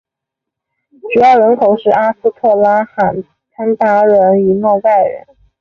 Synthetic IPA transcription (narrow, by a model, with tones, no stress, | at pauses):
t͡ɕu˨˩˥jɑ˥˩ʊɻə˧˥nkʰo˨˩ʊʂɻ̩˥˩a˥sɹ̩˥˧t̪ʰɤ˥˩la˥xa˨˩n | tʰa˥nt̪a˥ɻə˧˥ny˨˩nɔ˥˧ta˥˩ɪɻə̰˧˥n